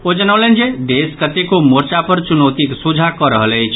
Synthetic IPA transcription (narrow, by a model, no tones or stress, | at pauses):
od͡ʒənəwlend͡ʒeɖ̪eskət̪ekomoɾt͡ʃapəɾt͡ʃunɔwt̪iksud͡ʒʱakəɾəɦələjt͡ʃʰ